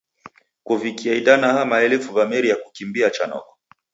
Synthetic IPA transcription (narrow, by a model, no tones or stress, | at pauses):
kuvikiaidanahamaɛlɛfuvamɛɾijakukimbiat͡ʃanɔ̰kɔ̥